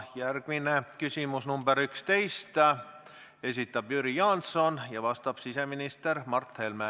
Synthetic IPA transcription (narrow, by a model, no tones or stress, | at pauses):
jærɡ̥minekysʲimusnumbeɾykst̪e̞jst̪ | e̞sit̪ːˑɑb̥jyɾijɑnt̪so̞njɑvɑst̪ɑb̥sise̞minist̪e̞ɾmɑrt̪helme